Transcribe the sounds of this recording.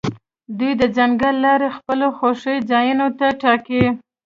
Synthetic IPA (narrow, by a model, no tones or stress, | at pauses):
d̪ujd̪əd͡ʒaŋɡəlːɑɾexpəloxoʂəjd͡ʒɑjunot̪aʈɑki